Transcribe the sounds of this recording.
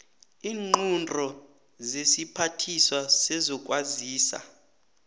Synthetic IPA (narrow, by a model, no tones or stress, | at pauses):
iːŋ͡ǃundʱɔ | zesipʰatʰiswasɛzɔkʼwaziːsa̰